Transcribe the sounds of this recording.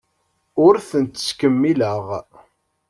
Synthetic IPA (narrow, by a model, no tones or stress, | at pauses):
ʊɾθənt̪ːskəmːiləʁ